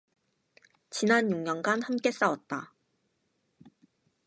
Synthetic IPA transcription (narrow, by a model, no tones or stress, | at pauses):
t͡ɕinanjuŋɲʌnɡanhamk͈e̞s͈awʌt̚t͈a